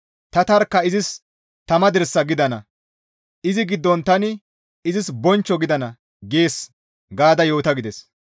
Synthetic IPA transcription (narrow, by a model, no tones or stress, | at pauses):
t̪ɐt̪ɐɾkːɐɪzɪs | t̪ɐmɐd̪ɛɾsːɐɡɪd̪ɐnɐ | ʔɪzɪɡɪd̪ːɔnt̪ɐnɪ | ɪzɪsbɔnt͡ʃːɔɡɪd̪ɐnɐ | ɡe̞ːs | ɡaːd̪ɐjo̞ːt̪ɐɡɪd̪ɛs